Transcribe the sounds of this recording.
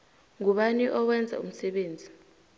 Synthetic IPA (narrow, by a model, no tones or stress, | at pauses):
ŋuɓaniʔɔwɛnd͡zʱa̰ṵm̩sɛɓeːnd͡zʱi̥